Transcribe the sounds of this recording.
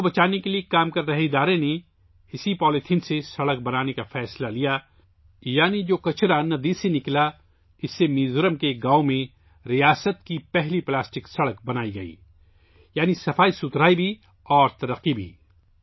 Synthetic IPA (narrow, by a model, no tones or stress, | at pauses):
bɐt͡ʃaːnekeliekaːmkɐɾːɐɦeɪd̪aːɾẽne | ɪsipɔːlɪt̪ʰɪnsesɐɽək̚bɐnaːnekafɛːslalija | jaːnid͡ʒoːkɐt͡ʃɾanɐd̪isenɪkla | ɪsːemiːzʊɾəmkeɡaːomẽ | ɾijaːsət̪̚kipɛɦliplaːsʈɪksɐɽək̚bɐnaːiɡɐḭː | jaːnisɐfaːisʊt̪ɾaːibʱi | ɔːɾt̪ɐɾəqːibʱḭː